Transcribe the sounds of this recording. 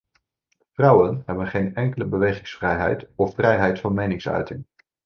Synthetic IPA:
v̥rɑwənɦɛbənχejnɛŋkələbəʋejχɪŋsfrɛjɦɛ̰jtɔfːrɛjɦɛjtfɑnmejnɪŋsœ̰ɥtɪŋ

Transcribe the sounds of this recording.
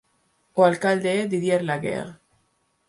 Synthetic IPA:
oalkald̪eed̪iðjeɾlaɡḛʁ

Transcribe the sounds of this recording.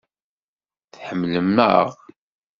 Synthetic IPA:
θħəmːləmːə̰ʁ

